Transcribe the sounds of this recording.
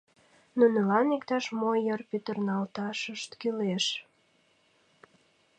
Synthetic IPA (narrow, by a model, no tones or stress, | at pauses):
nunəlɑnikt̪ɑʃmojərpyt̪ərnɑlt̪ɑʃəʃt̪kyleʃ